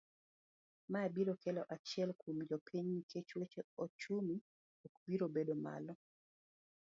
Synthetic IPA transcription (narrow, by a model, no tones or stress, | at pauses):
maebiɾokɛlɔʔat͡ʃɪɛlkumd͡ʒɔpʰiɲikʰet͡ʃwet͡ʃeot͡ʃumi | ɔkbiɾobedoma̰lɔ